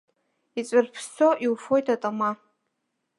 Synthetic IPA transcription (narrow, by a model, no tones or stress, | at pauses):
it͡sʷʼɨrpʰst͡soʔiwfojtʰatʼama